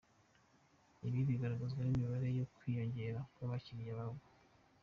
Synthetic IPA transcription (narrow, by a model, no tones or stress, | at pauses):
iβiβiɡaɾaɡazɡwanimiβaɾe̞jo̞kwiːjo̞ɲɟe̞ɾakwaβaciɾjaβaɡo